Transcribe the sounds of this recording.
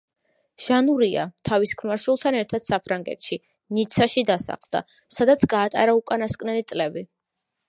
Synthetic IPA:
ʒ̥anuɾia̰t̪ʰaviskʰmaɾʃulˠt̪ʰanɛɾt̪ʰad̪̥sapʰɾaŋɡɛ̰t̪ʃi | nit̪sʰaʃid̪asa̰χlˠd̪a̰ | sad̪at̪sʰɡaːt̪ʼa̰ɾaukʼanaskʼnɛlit̪sʼlɛbi

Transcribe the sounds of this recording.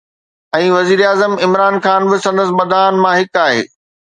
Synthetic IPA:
ɛ̃ːʋɐziːɾaːzəmɪmɾaːnxaːnbɪsɐ̃nd̪əs̬bɐd̪ʱaːnmãɦɪkaːɦḛː

